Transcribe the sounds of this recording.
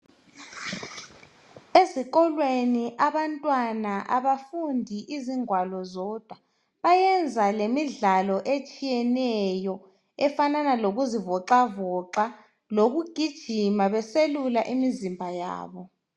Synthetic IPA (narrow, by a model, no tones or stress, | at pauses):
eziɣ̬ɔlweniʔaβantʼwanaʔaβafundʱiʔiziŋwalɔzɔd̥ʱwa | βajɛnd͡zʱalemiɮalɔʔet͡ʃʼijɛnɛjɔ | ɛfananaloɣuzivɔǃavɔǁa | loɣuɡ̥ʱid̥ʒ̥ʱimaβɛselulaʔimizimbʱaja̰ːβɔ